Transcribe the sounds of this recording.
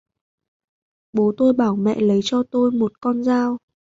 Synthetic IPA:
ɓo˨˦t̪o˧jɓaː˧˩wmɛ̰˧˨lə˨˦jt͡ɕɔ˧t̪o˧jmo˨˩t̚kɔ˧nzaː˧w

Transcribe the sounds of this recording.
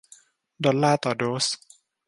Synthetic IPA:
d̪ɔ˨lːaː˦t̪ɔdos

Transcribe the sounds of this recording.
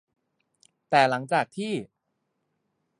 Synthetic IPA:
t̪ɛː˨˩la˩˦ŋt͡ɕaː˨˩k̚t̪ʰiː˥˩

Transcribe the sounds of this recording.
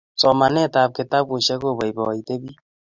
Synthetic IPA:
t͡sɔ˨ma˨nɛ˦˨ta˨p̚ke˨ta˦b̚wo˨ʃɛ˦ko˦˨ba˨jbɔ˨i˨te˦bi˦

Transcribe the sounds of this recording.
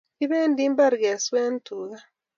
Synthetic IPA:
i˦βeː˦ndi˦mba˦ɾɡe˨sweː˦n˦tu˨ɣa˦

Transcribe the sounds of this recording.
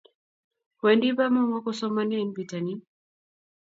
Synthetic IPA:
wɛ˨ndi˦βa˦mɔ˦ŋa˦kɔsɔ˦manɛ˦nbi˨ta˨ni˦

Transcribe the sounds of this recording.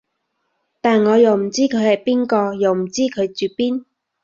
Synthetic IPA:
t̪aː˨nŋɔː˨˧jɐ˨˩wm̩˨˩t͡siː˥kʰɵ˨˧ɥhɐ˨˩jpiː˥nkɔː˧jɐ˨˩wm̩˨˩t͡siː˥kʰɵ˨˧ɥt͡syː˨piː˥n

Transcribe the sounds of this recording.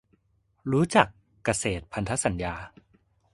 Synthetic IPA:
ɾuː˦˥t͡ɕa˨˩kː | a˧seː˨˩t̪̚pʰa˧nt̪ʰa˦˥sa˩˦njaː˧

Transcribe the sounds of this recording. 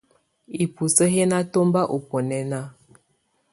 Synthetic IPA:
i˨pu˨sə˦ɦe˦na˦to˦mba˦ʔo˨po˨nɛ˨na˦

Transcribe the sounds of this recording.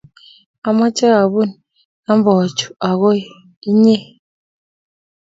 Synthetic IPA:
a˨˦ma˦t͡ʃʼɛ˦a˨ɓu˦n | na˦m˦bɔ˨t͡ʃʰu̥˨a˨ɣɔ˦˨ | i˦ɲɛ˦

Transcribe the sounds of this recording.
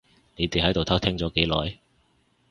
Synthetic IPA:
ne˨˧jt̪eː˨˩hɐ˨˥jt̪t̪ʰɐ˥wt̪ʰɛː˥ŋt͡sɔː˨˥ke˨˥jlɔ̰ː˨˥j

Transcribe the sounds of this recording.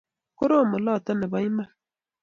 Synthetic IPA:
kʊ˦ɾo˦˨mə˨lɑː˦˨t̪a˦ne˨ba˨˦jma˦

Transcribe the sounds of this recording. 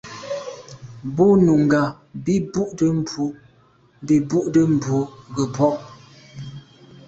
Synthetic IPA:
bu˦nu˨ŋ˨ɡa˨ | bi˦bu˦ʔdə˦m˨pu˨˦˨ | bi˨bu˦ʔdə˦m̩˨bu˨˦ɡə˨pʰɔ˦ʔ

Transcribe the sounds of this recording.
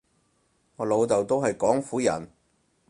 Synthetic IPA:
ŋɔː˨˧lo˨˧wt̪ɐ˨wt̪o˥whɐ˨jkɔː˨˥ŋfuː˨˥jɐ̰˨˩n

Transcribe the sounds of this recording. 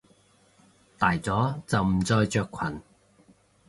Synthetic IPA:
t̪aː˨˩jt͡sɔː˨˥t͡sɐ˨˩wm̩˨˩t͡sɔː˧jt͡ʃœː˧kʰwɐ˨˩n

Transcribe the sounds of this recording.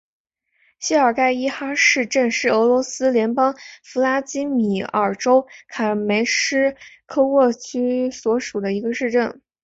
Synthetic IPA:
ɕi˥ə˞˨˩ka˥˩ɪi˥˧xa˥ʂɻ̩˥˧ʈ͡ʂə˥˧nʂɻ̩˥˩ɤ˧˥lwɔ˧˥sɹ̩˥ljɛ˧˥npɑ˥ŋfu˧˥la˥t͡ɕi˥mi˨˩ə˞˨˩ʈ͡ʂo˥ʊkʰa˨˩me˧˥ɪʂɻ̩˥kʰɤ˥˧wɔ˥˩t͡ɕʰy˥swɔ˧˥ʂu˨˩d̪ə˦i˧˥ɡə˧ʂɻ̩˥˧ʈ͡ʂə˥˩n

